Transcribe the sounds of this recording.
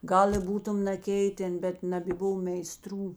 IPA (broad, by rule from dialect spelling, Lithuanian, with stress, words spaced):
ˈɡɐlˠ ɪ ˈbuːtʊm nɐˈkʲɛɪtʲɛn ˈbʲɛt nɐbʲeːˈbʊʋoː mʲɛɪˈstruː